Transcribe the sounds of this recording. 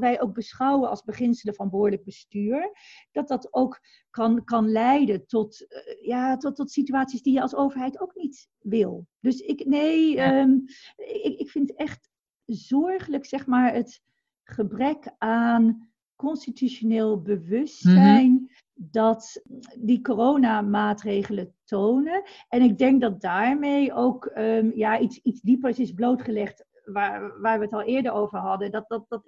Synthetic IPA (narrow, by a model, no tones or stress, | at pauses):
ʋɛjʔoʊk̚bəsχɑwənɑ̰lˠzbəχɪnsələvɑnbəɦʊːɹdləɡ̚bəstyːɹd̥ɑt̚dɑtowk | kɑnkɑnlɛjdəntɔtjaːtːɔtsityaːtsisdijəɑlˠsowvəɹɦɛjtowknit | ʋɪlˠd̥ɵsɪknejəm | ɪkɪkfɪntɛχt | zɔɹχələksɛχmaːɹət | χəbrɛkaːn | kɔnstityʃoneːlˠbəʋɵstsɛjn | dɑtdikorownamaːtrejχələtownə | ɛnɪɡ̚dɛŋk̚dɑt̚daːɹmejʔowkəmjaitsitzdipəɹsɪsblowtχəlɛχt | ʋaɹʋaːɹʋəətɑlˠɪːɹdəɹowvəɹɦɑdədɑtdt̚ɑt